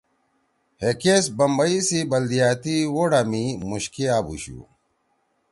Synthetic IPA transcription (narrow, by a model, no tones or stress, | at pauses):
hekesbɐmbɐisibɐld̪ijaːt̪iwoɽamimuɕkiaːbṵɕṵː